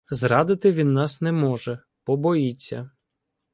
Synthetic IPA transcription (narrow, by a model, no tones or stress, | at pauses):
zɾɑd̪ɪt̪ɪʋʲinːɑsnɛmɔʒɛ | pɔbɔjit͡sʲːɐ